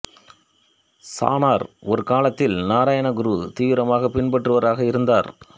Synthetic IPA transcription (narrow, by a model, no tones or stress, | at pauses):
sa̰ːnaːɾɔɾɯkaːlɐt̪ːɪlnaːɾaːjɐɳɐɡʊɾuːt̪iːʋɪɾɐmaːɣɐpɪnpɐʈrɯʋɐɾaːɣɐɪɾɯnd̪aːɾ